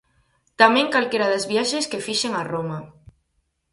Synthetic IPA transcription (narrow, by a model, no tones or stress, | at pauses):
t̪amẽŋkalkeɾaðezβjaʃeskefiʃeŋaroma